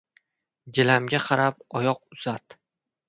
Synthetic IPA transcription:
ɡʲɪlamɡʲaqʰɑɾapɒjɒqʊzat̪

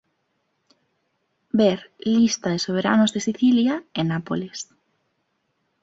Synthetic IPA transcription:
beɾlist̪aðesoβ̞eɾa̰nozðesiθiljaenapoles

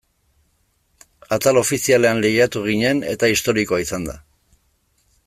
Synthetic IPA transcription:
at̪alo̞fisiale̞anliɣat̪uɣ̞iɲe̞ne̞t̪aist̪o̞ɾiko̞aisand̪a̰

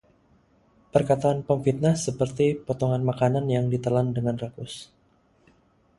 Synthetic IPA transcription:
pərkat̪aːnpəmfit̪̚nahsəpərt̪ipɔt̪ɔŋanmakananjaŋdit̪əlandəŋanrakʊs

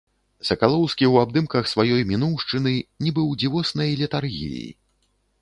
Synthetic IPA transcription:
sɐkalˠɔwskʲiwab̚d̪ɨmkɐxsvajɔjmʲinuwʂt͡ʂɨnɨnʲibɨwd͡zʲivɔsnɐjlʲit̪arɣʲḭjḭ

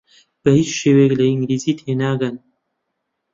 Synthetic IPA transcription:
b̥ɐhiːt͡ʃʃeːweklɐiŋɡliːziːt̪ʰeːnaːɡɐn

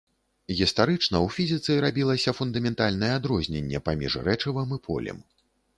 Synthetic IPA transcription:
ɣʲist̪aɾɨt͡ʂnɐwfʲizʲit̪sɨɾabʲilˠɐsʲɐfund̪ɐmʲɛnt̪alʲnɐjɛad̪ɾɔzʲnʲenʲːɛ̰pamʲḭʐrɾɛt͡ʂɐvɐmipʰɔ̰lʲɛ̰m

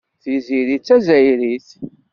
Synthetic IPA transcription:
θiziɾit͡sːæzæjɾiθ

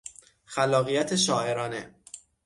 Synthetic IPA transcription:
xælːɒːɣijæt̪ʰeʃɒːe̞ɾɒːnḛ

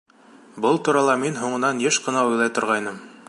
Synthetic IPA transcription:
bɤlˠt̪uɾɑlˠɑminɦuɴɤ̆nɑnjɘʃqɤ̆nɑujlˠɑjt̪ŏɾʁɑjnɤm

